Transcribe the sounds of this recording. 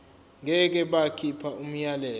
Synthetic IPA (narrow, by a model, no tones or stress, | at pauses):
ŋɛk̬ɛɓakʰipʰaum̩jalɛːl